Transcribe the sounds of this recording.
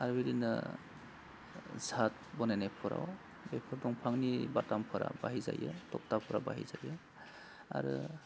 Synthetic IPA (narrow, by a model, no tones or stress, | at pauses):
aɾbeɾinɯ | zʱat̚bɔnanajpʰɔɾa̰w | bepʰɔɾdɔŋpʰaŋnibatampʰɔɾa̰baɦizajɯtɔp̚tapʰɔɾabaɦizajɯ | a̰ɾɯ